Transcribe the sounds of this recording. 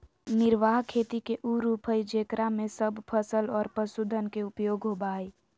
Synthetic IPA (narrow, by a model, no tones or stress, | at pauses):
nɪɾʋaːɦkʰeːt̪ikeʔuːɾuːpʰəid͡ʒeːkɾamẽsəbʱpʰəsəlɔːɾpəsʊd̪ʱənkeʊpjoːɡɦoːbaːe